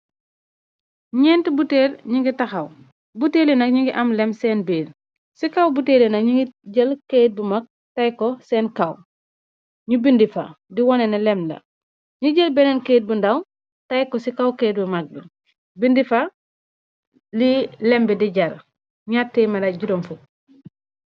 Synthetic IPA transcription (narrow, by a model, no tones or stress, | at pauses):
ɲɛːntibuteːɾɲiŋɡitɐxɐw | buteːlinɐkɲiŋɡiʔamlɛmsɛːnbeːɾ | sikawbuteːlinɐɲiŋɡiɟəlkeːt̚bumak̚ | tajkɔsɛːnkaw | ɲubindifa̰diwɔnɛnɐlɛmdɐ̰ | ɲuɟəlbɛnɛnkeːt̚bundaw | tajkɔsikawkejt̚bumak̚bi | bindifa | lilɛmbɛdiɟɐɾ | ɲatːeːmɐdɐɟuɾomfu